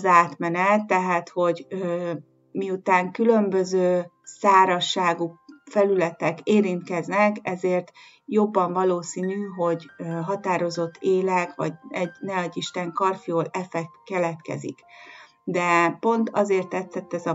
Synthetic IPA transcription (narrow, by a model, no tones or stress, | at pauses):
zaːt̪mɛnɛt̪ːɛɦaːt̪ho̞ɟø | miut̪aːŋkylø̞mbø̞zøː | saːɾɒʃːaːɡufɛlylɛt̪ɛkeːɾint̪kɛznɛkɛzeːrt̪ | jo̞bːɒɱvɒloːsiːnyɦo̞ɟɦɒt̪aːɾo̞zo̞t̪ːeːlɛkʋɒ̰ɟɛɟnɛɒɟːiʃt̪ɛŋkɒrfioːlɛfɛkːɛlɛt̪kɛ̰zḭk | d̪ɛpo̞nt̪ɒzeːrt̪ːɛt̪sɛt̪ːɛzɒ